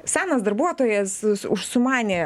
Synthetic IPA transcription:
sʲæːnɐsd̪ɐɾbuɔt̪oːjɛsʊʃsʊmɑːnʲeː

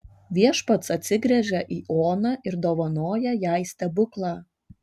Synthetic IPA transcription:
ʋʲiɛʃpɐt̪sɐt̪ʲsʲɪɡɾʲɛʒʲɛʔiːʔoːnɑʔɪɾd̪oːʋɐnoːjɛjæˑɪsʲt̪ʲɛbʊklˠɑː

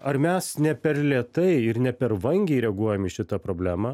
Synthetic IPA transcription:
ɐɾmʲɛsnʲɛpʲɛɾlʲiɛt̪ɐɪɪɾnʲɛpʲɛɾʋɐŋʲɡʲɛɪɾʲɛɡuɔjɛmɪʃʲɪt̪ɐpɾoːbʲlʲæːmɑː

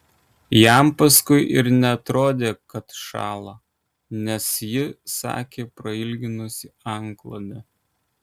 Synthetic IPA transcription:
jæˑmpɐskʊɪʔɪɾnʲɛɐt̪ɾoːd̪ʲeːkɐt̪ʃɑ̰ːlˠɐ | nʲɛsjɪsɑ̰ːkʲeːpɾɐɪlʲɡʲɪnʊsʲɪɐŋklˠod̪ʲɛ

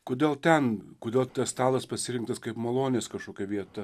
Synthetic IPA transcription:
koːd̪ʲeːlˠt̪ʲɛnkoːd̪ʲeːlˠt̪ɐsst̪ɑːlˠɐspɐsʲɪɾʲɪŋk̚t̪ɐskɐɪpmɐlˠoːnʲeːskɐʃkoːkʲɛʋʲiɛt̪ɐ

